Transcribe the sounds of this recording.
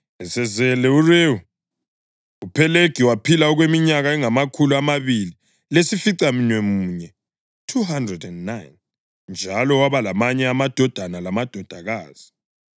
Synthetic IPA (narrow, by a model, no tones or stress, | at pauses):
ɛsɛzɛlɛureu | upʰɛleɡ̥ʱiwapʰilaɔɣwemiɲaɣaɛŋamakʰuluamaβili | lesifiǀaminwɛmuɲɛ | tʰuhandrɛdɛndnajn | nd͡ʒʱalɔwaβalamaɲɛamad̥ʱɔd̥ʱanalamad̥ʱɔd̥ʱaɣaːz̥i̥